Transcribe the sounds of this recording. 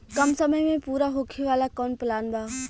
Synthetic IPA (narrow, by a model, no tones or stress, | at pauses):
kɐmsəməjmẽpuːɾaɦoːkʰiʋaːlakoːnplaːnbʱaː